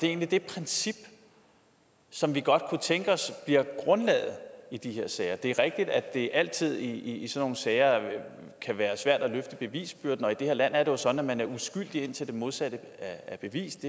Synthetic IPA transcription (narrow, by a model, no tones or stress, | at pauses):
d̥e̝e̝ːnlid̥e̝pʰʁɛnsib̥ | sɒ̽mʋiɡ̥ɒ̽d̥̚kʰut͡sʰeŋɡ̥əɒ̽sb̥liɐɡ̥ʁɔ̽nlɛ̰ːð̩ˠid̥ihe̝ɐ̰sɛɪɐd̥e̝æɐʁeɡ̥̚d̥id̥æd̥e̝ʔæl̰t͡sʰið̰ˠiːsɒ̽nːo̝ːn̩sɛɪɐ | kʰæʋæːɐsʋæɐ̰d̥æløfd̥əb̥e̝ʋḭːsb̥yɐ̰d̥n̩ɒ̽id̥e̝he̝ɐ̰læn̰æɐɾe̝jo̝sɒ̽d̥n̩æmænæɐusɡ̥yl̰d̥ie̝n̰t͡sʰe̝ld̥e̝mo̝ð̞ˠsæɾ̥əææb̥e̝ʋḭːsd̥e